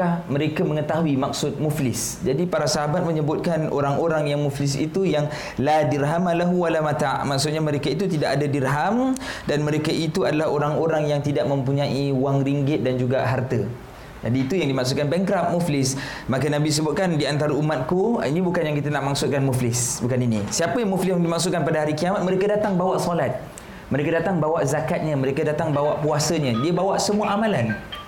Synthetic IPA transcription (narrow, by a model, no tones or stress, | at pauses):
aməɾekaməŋət̪aɦuimak̚sʊt̪̚muflɪs | d͡ʒadipaɾasaɦabat̪̚məɲəbʊt̪̚kanʔo̰ɾaŋʔoɾaŋjaŋmuflɪs̬ḭt̪ujaŋ | ladiɾɦamalaɦuwalamat̪aʔmaksʊt̪̚ɲaməɾekait̪̬ut̪idaʔadadirɦam | danmə̃ɾekaʔit̪uadalaɦoɾaŋoɾaŋjaŋt̪idaʔ̚mə̃mpuɲãʔiuwaŋɾiŋɡɪt̪̚dand͡ʒuɡaɦart̪ə | d͡ʒadiːt̪ujaŋdimaks̬ut̪̚kanbɛŋkɾap̚muflɪs | makənãbis̬əbʊt̪̚kandiant̪aɾaumat̪̚kuinibukanjaŋkit̪ənaʔmaksʊt̪̚kanmuflɪsbukaninisiapəjaŋmuflɪsjaŋdimaksut̪̚kanpadaɦaɾikiamat̪̚mə̃ɾekədat̪aŋbawaʔsɔlat̪̚ | mə̃ɾekadat̪aŋbawaʔzakat̪̚ɲəməɾekədat̪aŋbawaʔpuasəɲə̃diəbawaʔsəmuaʔamãlan